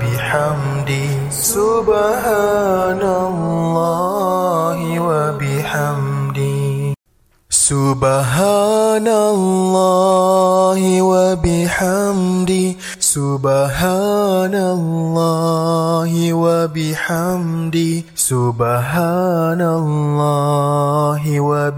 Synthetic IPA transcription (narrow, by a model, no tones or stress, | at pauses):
biħam | di | subahanalːɔ | ɦiwabiħamdi | subaɦanalːɔ | ɦiwabiħamdi | subaɦanalːɔ | ɦiwabiħamdi | subaɦanalːɔ | ɦiwa